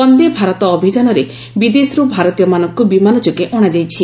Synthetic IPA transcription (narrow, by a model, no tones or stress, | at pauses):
pɔnd̪ebʱaɾɔt̪ɔːbʱid͡ʒanɔɾe | bid̪esɾubʱaɾɔt̪ijɔmanɔŋkubimanɔt͡ʃukeʔɔɽ̃ad͡ʒajt͡ʃʰi